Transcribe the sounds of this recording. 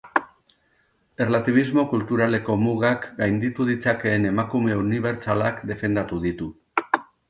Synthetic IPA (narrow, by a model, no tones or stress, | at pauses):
e̞rlat̪iβ̞izmo̞kult̪uɾale̞ko̞muɣakɡajnd̪it̪uð̞it͡sake̞ːne̞makume̞uniβe̞ɾt͡salakd̪e̞fe̞nd̪at̪uðit̪u